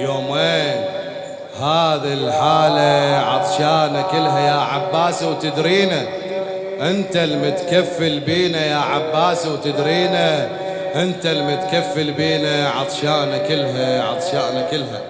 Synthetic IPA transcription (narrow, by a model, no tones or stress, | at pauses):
joːmweːn | haːðilħaːlaʕɑ̰t̪ˤʃaːʔnakɪlɦajaːʕabːaːsawt̪ɪd̪ɾiːna | ʔɪnt̪almʊt̪kafːɪlbiːnajaːʕabːaːsawt̪ɪd̪ɾiːna | ʔɪnt̪almat̪kafːɪlbiːnaʕɑ̰t̪ˤʃaːʔnakɪlɦaʕɑ̰t̪ˤʃaːʔnakɪlːɦa